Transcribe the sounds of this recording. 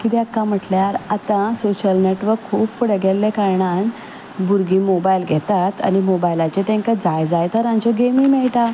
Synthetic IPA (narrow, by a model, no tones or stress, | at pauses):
kit̪iakːãm̤əʈljaɾat̪ãsoɕəlneʈʋəɾkʰːuːbfuɽɡʱelːekaɾɳãn | buɾɡiːmobajlɡʱɛt̪at̪a̰nimobajlat͡ɕet̪ẽŋkad͡zajd͡zajt̪əɾãɲt͡ɕɔɡemimɛɭʈa